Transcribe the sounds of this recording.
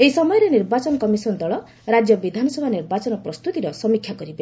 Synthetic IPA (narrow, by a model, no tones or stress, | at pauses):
eisɔmɔjɔɾeniɾbat͡ʃɔnɔkɔmisɔnd̪ɔɭɔ | ɾad͡ʒjɔbid̪ʱanɔsɔbʱaniɾbat͡ʃɔnɔpɾɔst̪ut̪iɾɔsɔmikʰːjakɔɾibe